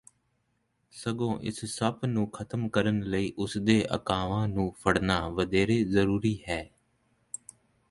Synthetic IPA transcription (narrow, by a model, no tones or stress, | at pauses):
səɡõːʔɪ̰ssəpnũːkʰət̪əmkəɾənləiːʔʊsd̪eːʔə̰kaːʋãːnũːpʰəɽnaːʋəd̪eːɾeːzəɾuːɾiːhɛː